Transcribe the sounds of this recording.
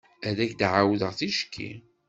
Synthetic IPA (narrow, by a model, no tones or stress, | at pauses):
æðæçd̪ʕawðəʁθiʃkʰːḭ